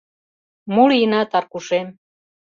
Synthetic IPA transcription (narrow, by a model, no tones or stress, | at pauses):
mulinɑt̪ɑrkuʃem